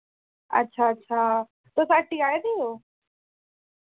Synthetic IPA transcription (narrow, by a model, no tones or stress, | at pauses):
ɐ̰tːɕʰaɐtːɕʰaː | t̪osaʈːiaed̪iɦoː